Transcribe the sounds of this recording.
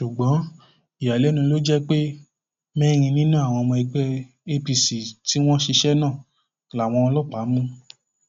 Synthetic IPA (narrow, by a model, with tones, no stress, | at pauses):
ʃu˨ɡ͡bɔ̃˨˦ | i˨ja˨lɛ˨˦nũ˧lo˦d͡ʒɛ˦k͡pe˦ | mɛ̃˦ɾ̃ĩ˧nĩ˦nũ˦a˨w̃ɔ̃˧w̃ɔ̃˧i˧ɡ͡bɛ˦ | e˧pi˧si˨ti˨˦w̃ɔ̃˦ʃi˧ʃɛ˦nãː˦˨ | la˨w̃ɔ̃˧ɔ̃˧lɔ˦˨k͡pa˨˦mũ˦